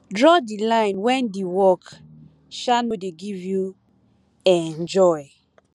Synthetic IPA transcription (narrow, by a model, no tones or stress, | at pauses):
dɹɔdilãɪ̃nwɛ̃ndiwɔk | ʃanodeɡivju | ɛ̃nd͡ʒɔɪ